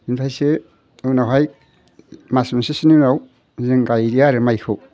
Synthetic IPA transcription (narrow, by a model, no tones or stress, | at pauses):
inpʰajse | ɯwnawɦaj | masmasesininaw | zɯŋɡajɾiaɾɯmajkʰɯ